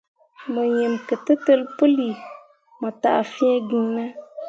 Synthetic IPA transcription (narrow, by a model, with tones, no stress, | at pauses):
mə˨je˨mkɨ˨tɨ˦tɨ˦lpɨ˦li˨ | mə˨ta̰˨ʔfĩ˦ɛ˦ɡĩ˨na˦